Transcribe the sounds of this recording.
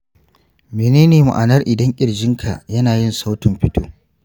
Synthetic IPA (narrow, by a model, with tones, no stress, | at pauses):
meː˨neː˦neː˨mʊ̰˨ʔa˨nɐ˦rʔɪ˨dɐ˦ŋkʲʼɪ˨ɽd͡ʒɪ˦ŋkʰa̰˨jɐ˦naː˨jɪ˦nsa˦wtɪ˨mɸɪ˦toː˦